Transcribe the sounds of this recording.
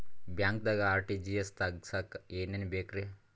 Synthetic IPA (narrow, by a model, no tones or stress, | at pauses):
bʲaŋk̚d̪ɐɡaːɾʈid͡ʒijest̪ɐɡsakeːnenbeːkɾe